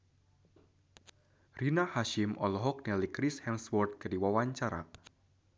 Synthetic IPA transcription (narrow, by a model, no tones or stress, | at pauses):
rinahaʃɪmʔɔlɔɦɔk̚nɛlikɾɪshɛmswɔrt̪̚kədiwawaɲt͡ʃaɾa̰